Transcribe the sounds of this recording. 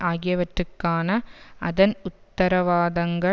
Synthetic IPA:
ʔaːɣɪjɐʋɐʈrɯkːaːnɐʔɐðɐnʊt̪ːɐɾɐʋaːðɐŋɡɐ

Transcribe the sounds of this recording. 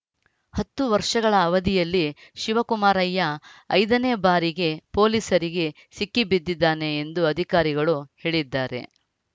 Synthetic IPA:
hɐt̪ːuʋɐɾʂɐɡɐɭɐːʋɐd̪ijɐlːiʃiʋɐkumaːɾɐjːɐɐ̰jd̪ɐneːbaːɾiɡe̞po̞ːliːsɐɾiɡe̞ | sikːibid̪ːid̪ːaːne̞ːnd̪uɐd̪ʱikaːɾiɡɐɭuhe̞ːɭid̪ːaːɾe̞̰

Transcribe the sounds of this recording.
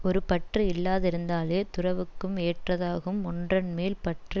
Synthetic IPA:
ɔɾɯpɐʈrɯɪlːaːðɪɾɯnd̪aːleːt̪ʊɾɐʋɯkːɯmeːʈrɐðaːɣɯmɔndrɐnmeːlpɐʈrɯ

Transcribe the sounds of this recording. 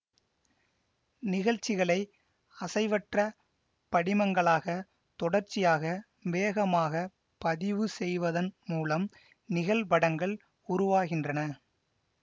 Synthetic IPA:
nɪɣɐɻt͡ʃːɪɣɐɭɐɪ | ɐsɐɪʋɐʈrɐ | pɐɽɪmɐŋɡɐɭaːɣɐ | t̪ɔɽɐɾt͡ʃɪjaːɣɐ | ʋeːɣɐmaːɣɐ | pɐðɪʋɯsɛjʋɐðɐnmuːlɐm | nɪɣɐɭbɐɽɐŋɡɐɭ | ʊɾʊʋaːɣɪndrɐnɐ

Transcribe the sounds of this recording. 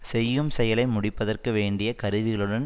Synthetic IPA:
sɛjːɯmsɛjɐlɐɪmʊɽɪpːɐðɐrkɯʋeːɳɖɪjɐkɐɾɯʋɪɣɐɭɯɽɐn

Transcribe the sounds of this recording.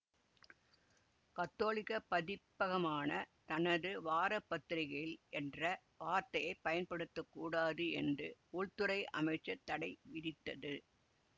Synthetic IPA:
kɐt̪ːoːlɪkɐpɐðɪpːɐɣɐmaːnɐt̪ɐnɐðɯʋaːɾɐpːɐt̪ːɪɾɪɣɐɭɪlʔɛndrɐ | ʋaːɾt̪ɐjɐɪpːɐjɐnpɐɽɯt̪ːɯkːuːɽaːðɯɛndrɯʊɻt̪ɯɾɐɪʔɐ̰mɐɪt͡ʃːɐt̪ːɐɽɐɪʋɪðɪt̪ːɐðɯ

